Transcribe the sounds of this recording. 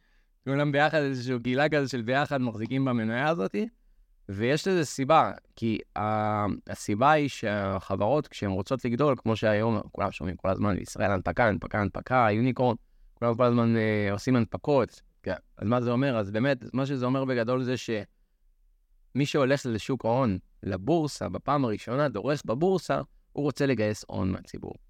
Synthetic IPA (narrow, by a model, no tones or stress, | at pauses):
kulambejaχadezeʃuːɡiilakazoʃe̞lbe̞jaχad̪maχzikimbamenajaːzo̞ti | vejeʃlezesibakiaasibaiʃeχavaʁo̞tkʃeemʁot͡so̞tliɡdo̞lkmo̞ʃeajo̞mkṵlamʃomimko̞la̰zmanbḛḭsʁa̰ʔelanpakaanpakaːnpakajuniko̞ʁn | kulamko̞lazmaneo̞simanpako̞t | ɡaa̰zmazeo̞meʁazbe̞ːme̞tamaʃ̬e̞zeo̞me̞ʁbe̞ɡado̞lze̞ʃe̞ | miʃeo̞le̞χleʃukao̞n | lebuʁsa̰bepaːmaʁiʃo̞nado̞ʁe̞sbabuʁsa̰ | uʁo̞t͡se̞le̞ɡaje̞so̞̰nmḛat͡sḭbṵʁ